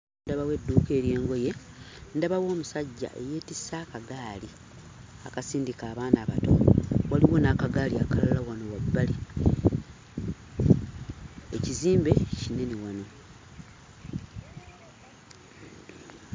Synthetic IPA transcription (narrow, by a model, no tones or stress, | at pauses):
daβawe̞dːuːke̞ːɾje̞ːŋɡo̞je̞ | ndaβawo̞ːmusaɟːa̰ʔe̞jeːtisakaɡaːli | akasiːndikaːβaːnaːβa̰to̞waliwonakaɡaːliakalalawano̞wabːali | eciziːmbe̞cine̞newano̞